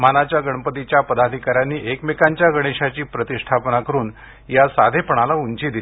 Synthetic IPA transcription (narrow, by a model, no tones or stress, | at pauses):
manat͡ɕjaɡəɳpət̪it͡ɕjapəd̪ad̪ʱikaɾjanːiːʔekmekaɲt͡ɕjaɡəɽ̃eɕat͡ɕiːpɾət̪isʈʰapnakəɾuːn | jasad̪ʱepəɳ̃alauɲt͡ɕid̪il